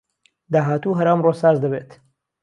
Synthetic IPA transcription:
d̪aːɦaːt̪uːɦɐɾamroːsaːzd̪ɐβeːt̪

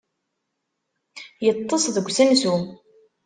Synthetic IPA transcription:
jət̪ˤːəsˤðəɡʷsænsu

